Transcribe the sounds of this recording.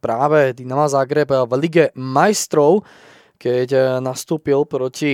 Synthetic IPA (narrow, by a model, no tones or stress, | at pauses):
pɾaːʋɛd̪inamazaɡɾɛbʋliɡɛmajst̪ɾɔʊ | kɛcnast̪uːpilpɾɔci